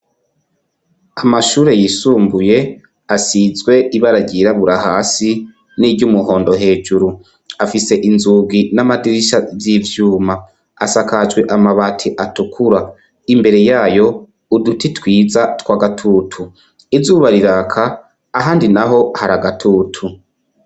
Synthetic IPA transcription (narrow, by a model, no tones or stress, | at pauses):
amaʃuːɾe̞jisuːmbuje̞ | asizɡwe̞iβaɾaɟiɾaβuɾahaːsi | nidɟumuho̞ːndo̞ɦe̞ːd͡ʒuɾu | afise̞ʔinzubɡinamadiɾiʃazivjuːma | a̰sakad͡ʒwe̞ʔamaβatʰiʔatukʰuɾa | imbe̞ɾe̞jaːjo̞ | udutitwiːzatwaːɡatʰuːtʰu | izuːβaɾiɾaːkʰaː | ɦaːndinaɦo̞haɾaɡatʰuːtʰu